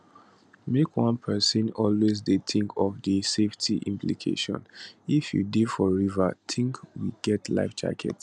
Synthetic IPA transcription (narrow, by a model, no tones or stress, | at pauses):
mekwãnpʰɛsĩnɔlwezdetʰĩŋkʰɔvdəseftʰiʔĩmplḭkʰḛʃɔ̰̃nifjṵdefɔɹivatʰĩŋkwḭɡɛtʰla̰ɪft͡ʃa̰kʰɛ̰t